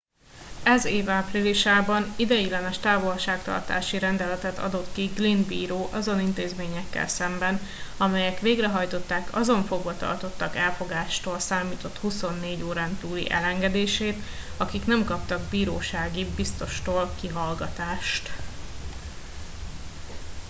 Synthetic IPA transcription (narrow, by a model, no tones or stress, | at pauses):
ɛzeːvaːpriliʃaːbɒnid̪ɛjilɛnɛʃt̪aːvo̞lʃaːkt̪ɒ̰rt̪a̰ːʃiɾɛnd̪ɛlɛt̪ɛt̪ɒ̰d̪o̞t̪kiɡlinbḭːɾoːʔɒzo̞nint̪eːzmeːɲɛkːɛ̰lsɛmbɛn | ɒmɛjɛkʋeːɡrɛɦɒjt̪o̞t̪ːaːkʰɒzo̞ɱfo̞ɡvɒt̪ɒ̰rt̪o̞t̪ːɒkɛlfo̞ɡaːʃt̪oːlsaːmiːt̪o̞t̪huso̞nːeːɟoːɾaːnt̪uːlḭʔɛ̰lɛŋɡɛd̪eːʃeːt̪ | ɒkiknɛmkɒp̚t̪ɒɡ̚biːɾoːʃaːɡibist̪o̞ʃt̪oːlkiɦɒlɡɒt̪aːʃt̪